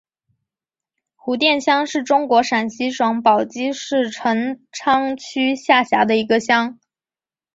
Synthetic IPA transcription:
xu˧˥t̪jɛ˥˩nɕjɑ˥ŋʂɻ̩˥˩ʈ͡ʂʊ˥ŋkwɔ˧˥ʂa˨˩nɕi˧˥ʂwɑ˧˥ŋpɑ˨˩ʊt͡ɕi˥ʂɻ̩˥˩ʈ͡ʂʰɤ˧˥ŋʈ͡ʂʰɑ˥ŋt͡ɕʰy˥ɕja˥˩ɕja˧˥d̪ə˧i˧˥ɡə˧ɕjɑ˥ŋ

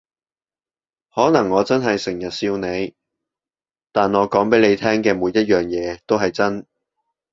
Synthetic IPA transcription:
hɔː˨˥nɐ˨˩ŋːɔː˨˧t͡sɐ˥nɦɐ˨jsɪ˨˩ŋjɐ˨t̚siː˧wne˨˧j | t̪aː˨nŋɔː˨˧kɔː˨˥ŋpe˨˥jle˨˧jt̪ʰɛː˥ŋkɛː˧muː˨˧jːɐ˥t̚jœː˨ŋjɛː˨˧t̪o˥wɦɐ˨jt͡sɐ˥n

